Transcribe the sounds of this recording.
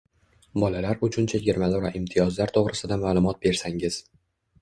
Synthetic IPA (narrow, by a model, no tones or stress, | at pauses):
bɒlalaɾʊt͡ʃʰʊnt͡ʃʰaɡʲɪɾmalˠoɾaʔɪmt̪ʰijɒzlaɾt̪ʰoʁɾɪsɪd̪amaːlˠʊmɒt̪̚be̞ɾsaŋɪz̥